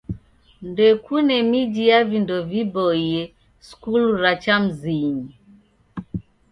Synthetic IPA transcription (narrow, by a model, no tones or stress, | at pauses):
ndɛkunɛmid͡ʒijavindɔvibɔiɛ | skuluɾat͡ʃam̩ziɲi